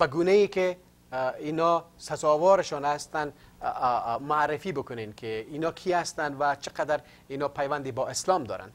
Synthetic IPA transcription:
b̥aɡuneike | inɔsazɔwɔɾɪʃɔnast̪an | maɾɪfibʊkʊnenkʰeinɔkʰiast̪and̪ʋat͡ʃʰɪqad̪aɾ | inɔːpajʋand̪ibɔɪslɔmd̪ɔ̰ːɾa̰n

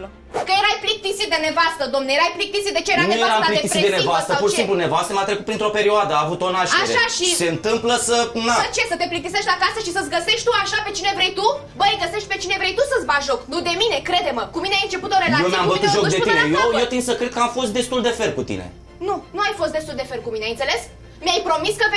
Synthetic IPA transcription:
kəjeɾajplik̚t̪isit̪̚d̪e̞nevast̪əd̪omnejeɾajplik̚t̪isit̪d̪et͡ʃeeɾanueaɾamaplik̪eiɾied̪enevast̪əpuɾʃiisimplune̞vast̪əmat̪ɾekut̪pɾint̪ɾo̞pe̞ɾioad̪əaːvut̪o̞naʃaʃaʃise̞ɨnt̪ɨmpləsənat͡ʃe̞sət̪eplik̚t̪is̬eʃt̪lakasəʃisət̪sʲɡəse̞ʃt̪ʲt̪uaʃape̞t͡ʃinevɾejt̪u | bəjɡəseʃt̪̚pe̞t͡ʃinevɾejt̪usəsbaʒoknud̪e̞mine̞kɾe̞d̪e̞məkumineajɨnt͡ʃe̞put̪oɾejlaemeamvət̪ut̪ʒok̪d̪einejojewt̪insəkɾed̪kəamfo̞st̪d̪e̞st̪uld̪e̞fe̞rkut̪ḭnḛ | nunuajfo̞s̬t̪d̪est̪uld̪e̞fe̞rkumineajɨnt̪seles | miajpɾo̞miskə

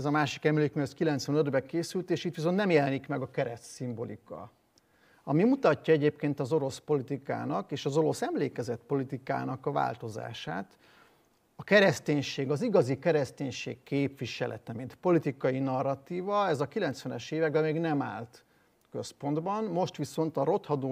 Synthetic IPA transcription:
zɒmaːʃi̥kɛmleːkmiɒskilɛnt̪sʋɛnød̪bɛkeːsylt̪eːʃit̪ʋis̬o̞nt̪nɛmjɛlɛnikmɛɡɒkɛɾɛt̪simbo̞lḭkɒ̰ | ɒmimut̪ɒcːɒɛɟeːpkeːnt̪ɒzo̞ɾo̞spo̞lit̪ika̰ːnɒkeːʃɒzo̞ɾo̞sɛmleːkɛzɛt̪po̞lit̪ika̰ːnɒkɒva̰ːlt̪o̞za̰ːʃa̰ːt̪ | ɒkɛɾɛst̪eːɲʃeːɡɒziɡɒzikɛɾɛst̪eːɲʃḛːkːeːpʋiʃɛlʔɛ̰t̪ɛmint̪po̞lit̪ikɒjinɒrːɒt̪iːvɒɛzɒkilɛnt̪sʋɛnɛʃeːvɛɡbɛmeːɡnɛma̰ːlt̪ | kø̞spo̞nd̪bɒnmo̞ʃt̪ʋiso̞nt̪ɒɾo̞t̪hɒd̪oː

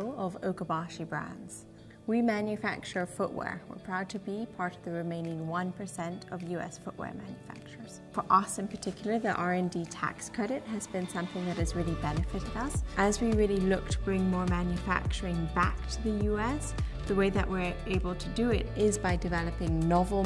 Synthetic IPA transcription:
l̩ˠʌvo̰ʊkəbɑʃibɹæ̰̃ndz̥ | wimæ̃njɨfæ̰k̚t͡ʃə˞fʊʔwɛ̰ɹwɪ̰ɹpʰɹ̥aʊd̚tʰɨbipʰɑɹɾʌvðɨɹɨmẽɪ̃nɪ̃ŋwʌ̃npʰə˞sɛ̃ntʰʌvjʉɛ̰sfʊʔwɛ̰ɹmæ̰̃njɨfæ̰k̚t͡ʃə˞z̥fə˞ʔʌsɨ̃npʰə˞tʰɪkjl̩ˠə˞ðiʔɑɹɛ̃nditʰæ̰kskʰɹ̥ɛɾɨt̚ɦɨzbɨ̃nsʌ̃mθɪ̃ŋðɨɾɨzɹɪlˠibɛnɨfɨɾɨɾʌsʔɨzwiɹɪlˠilʊk̚tʰəbɹɪ̃ŋmɔɹmæ̃njɨfæ̰k̚t͡ʃə˞ɪ̃ŋbæ̰k̚tʰɨðɨjʉɛs | ðəweɪðɨ̰ʔwɪɹ | eɪbl̩ˠtʰɨdɨɪ̰ɾɪzbaɪdɨvɛlˠəpɪ̃ŋnɑvl̩ˠ

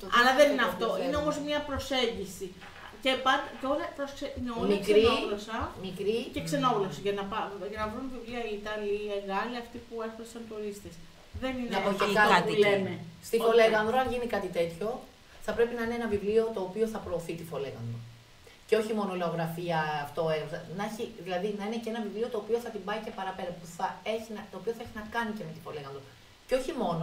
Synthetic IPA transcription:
ɐlɐðenineɐft̪o̞ine̞o̞mo̞zmɲɐpɾo̞se̞ɲɟisi | cepɐd̪t̪o̞ɾɐθɐsksenomikɾioɣlosɐmikɾiceksenoɣlosɐʝɐnɐpɐʝɐnɐvɾunvivliɐiit̪ɐlieɣɐliɐft̪ipueθɐsɐnt̪oɾist̪es | ðe̞nineɐpocekɐt̪lenest̪ifo̞le̞ɣɐnðɾoɐnʝinikɐt̪it̪e̞t̪ço̞ | θɐpɾe̞pinɐineenɐvivlio̞t̪o̞ːpio̞θɐpɾo̞ːθit̪ifo̞le̞ɣɐnd̪ɾo | ceo̞çimo̞nole̞oɣɾɐfiɐːft̪oeɣɐnɐeçiðilɐðinɐinecee̞nɐvivlio̞t̪o̞ːpio̞θɐt̪imbɐice̞pɐɾɐpe̞ɾɐpuθɐe̞çinɐt̪o̞ːpioθɐeçinɐkɐnice̞me̞t̪i̥fo̞le̞ɣɐnðɾo | ceo̞çimo̞no

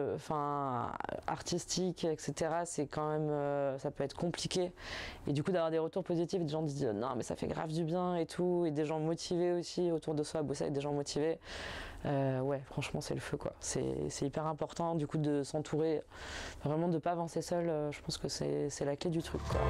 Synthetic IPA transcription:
ɑ̃fɛ̰̃ | a̰ʁt̪ist̪ʰikɛkset̪eʁasɛkɑ̃mɛmøsapøɛt̪χəkɔ̃plikʲeed̪ykud̪avwaʁd̪eʁət̪uʁpozit̪ifed̪eʒɑ̃d̪izznɔ̰̃mɛsa̰fɛ̰ɡʁa̰vd̪ybjɛ̃et̪ʰued̪eʒɑ̃mɔt̪ʰiveosiot̪uʁd̪əswabusa̰ɛ̰k̚d̪eʒɑ̃mɔt̪ʰive | øwɛfχɑ̃ʃmɑ̃sɛ̰ləføkwa̰sɛ̰sɛipɛʁɛ̃pɔʁt̪ɑ̃d̪ykud̪əsɑ̃t̪ʰuʁe | vʁɛmɑ̃d̪əpavɑ̃sesœløʒəpɑ̃skəsɛ̰sɛlakled̪yt̪χykːwa̰

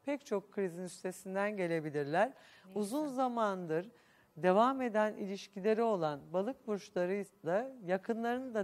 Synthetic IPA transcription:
pʰɛct͡ʃʰo̞kʰːɯɾizinyst̪ʰe̞sind̪ænɟe̞lʲe̞bilʲiɾlʲæɾuzunzamand̪ɯɾ | d̪e̞vame̞d̪ænilʲiʃcʰilʲe̞ɾio̞lˠanbalˠɯkbuɾʃlˠaɾɯjzlˠajakʰɯnlˠaɾɯnd̪a

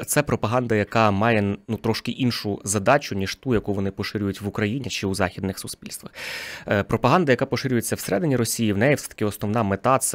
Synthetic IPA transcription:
t̪sɛpɾɔpɐɦɑnd̪ɐjɐkɑmɑjɛnut̪ɾɔʃkɪʔinʃʊzɐd̪ɑt͡ʃʊnʲiʒ̥t̪ujɐkuʋɔnɪpɔʃɪɾʲʊjʊtʲʋʊkɾɐjinʲit͡ʃɪuzɑxʲid̪nɪxsʊspʲilʲst̪ʋɐxpɾɔpɐɦɑnd̪ɐjɐkɑpɔʃɪɾʲʊjet͡sʲːɐwseɾɛd̪ɪnʲiɾɔsʲijiwnɛjifsɛt̪ɐkɪɔsnɔʋnɑmet̪ɑt̪s

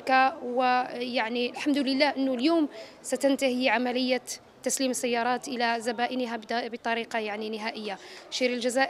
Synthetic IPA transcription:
kawəjaʕniəlħamd̪ʊləlːæhʔənːʊljuːm | sæt̪ənt̪ahiʕamæləjːa | t̪ːæsliməsːæjːɑɾˤɑt̪ʔəlæzæbæʔənəɦab̪bət̪ˤɑɾiqɑjaʕninəɦæʔəjːaʃiɾəlʒæzæʔ

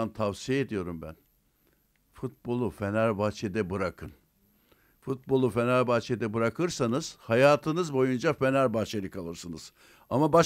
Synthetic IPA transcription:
ant̪ʰavsijeed̪ijo̞ɾumbæ̰n | fut̪̚bo̞lˠufenæɾbaːt͡ʃʰed̪ɛbɯɾakʰɯn | fut̪̚bo̞lˠufenæɾbaːt͡ʃʰed̪ɛbɯɾakʰɯɾsanɯz̥hajaːt̪ʰɯnɯzbo̞jund͡ʒafenæɾbaht͡ʃʰeɾɯkʰalˠɯɾsɯnɯz̥ | amaba

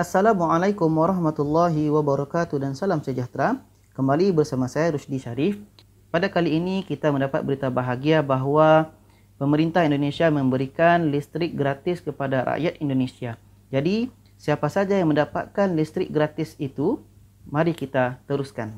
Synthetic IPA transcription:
ʔasːalamuʕalajkʊmwaɾˤɑhmat̪ulːaɦiwabaɾɔkat̪udansalamsəd͡ʒaht̪ɾa | kəmbalibərsamasajaɾuʃdiʃaɾɪf | padakaliːnikit̪amə̃ndapat̪̚bəɾit̪abaɦaɡiabaɦwa | pəməɾint̪aɦindonẽsiamə̃mbəɾikanlist̪ɾɪk̚ɡɾat̪ɪskəpadaɾa̰ʔjat̪indonesia | d͡ʒadi | siapasad͡ʒajaŋmə̃ndapa̰t̪̚kanlist̪ɾɪk̚ɡɾat̪ɪsit̪u | mãɾikit̪at̪əɾuskan

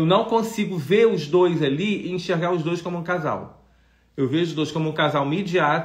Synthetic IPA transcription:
ewnɐ̃w̃kõsiɡʊveɾʊzd̪ojzaliɪĩʃeɾɡaɾʊzd̪ojsʃkõmʊũkaza̰w | ewveʊʒʊzd̪ojʃkõmʊũkazawmed͡ʒia

